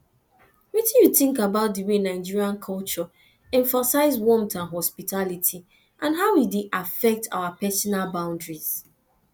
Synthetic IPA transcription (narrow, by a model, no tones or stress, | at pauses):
witĩnjutɪ̃ŋkabaʊt̚dəwenaɪd͡ʒiɹiãnkʰɔlt͡ʃɔ | ɛ̃ɱfasaɪzwɔmtãnɦɔspitalitʰi | ʔãnɦaʊwideʔafɛk̚tʰa̰wapɛsɔnalbãʊ̃ndɹiz̥